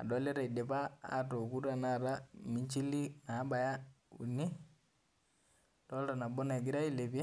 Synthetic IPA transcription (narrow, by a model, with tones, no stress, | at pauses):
a̰˨dɔ˦lɛ˦ɾa˨i˨dɛ˨pa̰ː˦˨tɔ˨ku˦ɾa˨na˦ɾa˦mi˦t͡ʃi˦li˦naː˨˦ba˨ja˦ṵ˨ni˦ | tɔ˦lda˨na˨bɔ˦na˨ɡi˦ɾa˦i˦˨le˨pɛ˦